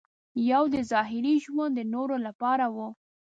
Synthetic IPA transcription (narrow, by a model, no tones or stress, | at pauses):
jawd̪əzɑɦɪɾiʒwand̪ənoɾolapɑɾawu